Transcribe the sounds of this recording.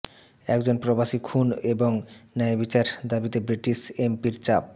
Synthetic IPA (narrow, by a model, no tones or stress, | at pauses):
ɛkd͡ʑonpɾobaʃikʰuneboŋnaebit͡ɕaɾd̪abit̪ebɾiʈiʃempiɾt͡ɕap̚